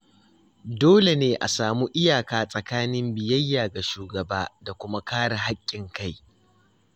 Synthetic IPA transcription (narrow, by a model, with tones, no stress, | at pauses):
doː˦le˨neː˦ʔa̰˨saː˨mu˦ʔɪ˦jaː˨kaː˦sʼɐ˨kaː˦nɪ˦mbɪ˨jɐ˦jːaː˨ɡa˨ʃuː˨ɡɐ˨baː˦da˨kʷʊ˦ma˦kaː˦ɽa˨ɦa˦kʲʼːɪ˨ŋka˦˨j